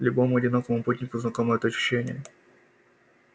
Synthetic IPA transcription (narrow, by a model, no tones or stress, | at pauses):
lʲʊbomʊɐdʲɪnokəvəmputʲnʲɪkʊznɐkoməjəɐt̪ɐɕʊ̥ɕːenʲɪ̰jə